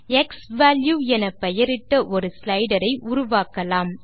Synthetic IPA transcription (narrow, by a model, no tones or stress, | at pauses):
ɛksʋaːljuːɛnɐpɛjɐɾɪʈ̪ːɐʔɔɾɯslɐɪɖɐɾɐɪʔʊɾʊʋaːkɐlaːm